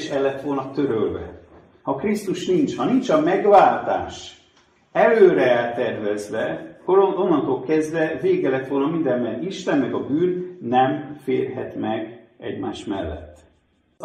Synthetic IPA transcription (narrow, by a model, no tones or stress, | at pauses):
ʃɛlːɛt̪ːʋo̞lnɒt̪ø̞ɾølvɛ̰ | hɒkrist̪uʃnint͡ʃhɒnint͡ʃɒmɛɡvaːlt̪a̰ːʃ | ɛløːɾɛɛlt̪ɛrvɛzʋɛkːoɾonːɒnt̪oːlkɛzd̪ʋɛveːɡɛlɛt̪ʋo̞lnɒmind̪ɛmːɛriʃt̪ɛnmɛɡɒbyːnːɛmfeːrɦɛt̪mɛɡɛ̰ɟma̰ːʃmɛ̰lːɛ̰t̪ː